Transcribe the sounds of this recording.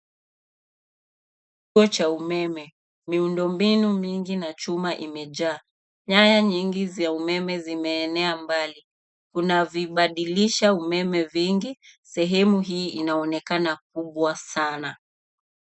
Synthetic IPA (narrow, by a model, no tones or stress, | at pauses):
tuɔt͡ʃaumɛmɛ | miundɔmbinumiŋɡinat͡ʃumaʔimɛʄaː | ɲajaɲiŋɡizaumɛmɛzimɛːnɛambali | kunaviɓaɗiliʃaumɛmɛviŋɡisɛɦɛmuɦiːinaɔnɛkanak̚uɓwasana